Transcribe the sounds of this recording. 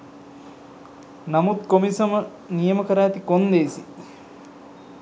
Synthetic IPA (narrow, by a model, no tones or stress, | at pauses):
nɐmut̪̚komisɐmɐ | nijɐmɐkɐɾaːt̪ikond̪eːsi